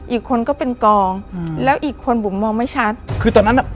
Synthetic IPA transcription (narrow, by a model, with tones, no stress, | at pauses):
ʔiː˨˩kʰːo˧nkɔː˥˩pe˧nkɔː˧ŋlɛː˦˥wʔiː˨˩kʰːo˧npʰo˩˦mːɔː˧ŋma˥˩jt͡ɕʰa˦˥t̪̚kʰɯː˧t̪ɔː˧nːa˦˥nːʔa˧˥˩